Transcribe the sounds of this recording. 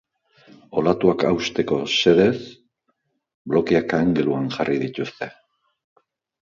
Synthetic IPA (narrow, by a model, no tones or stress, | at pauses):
o̞lat̪uakawst̪e̞ko̞se̞ðe̞s | blo̞kiakaŋɡeluaŋʝarʔiðit̪ust̪e̞